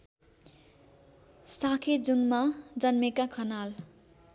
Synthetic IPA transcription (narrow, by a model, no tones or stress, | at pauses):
sakʰed͡zuŋmad͡zʌnmekakʰʌnal